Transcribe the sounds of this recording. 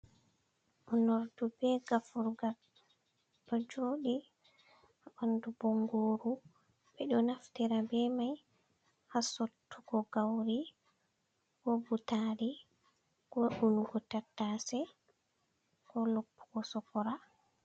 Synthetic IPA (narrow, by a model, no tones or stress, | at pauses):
ʔɔnoɾdubɛɡafuɾɡa | dɔd͡ʒoːɗi | haʔandubɔŋɡoːɾu | bɛɗɔnaftɛɾabɛmaj | hasotʰːuɡɔɡawɾi | ɡɔbutaɾi | ɡ̥ɔʔunuɡɔtatːasɛ | ɡ̥ɔlopːu̥ɡɔsɔkɔɾa